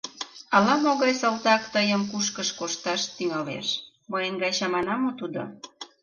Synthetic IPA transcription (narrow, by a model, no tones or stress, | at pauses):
ɑlɑmoɣɑjsəlt̪ɑkt̪əjəmkuʃkəʃkoʃt̪ɑʃt̪yŋɑlḛʃ | məjəŋɡɑjɕɑmɑnɑmot̪ud̪o̰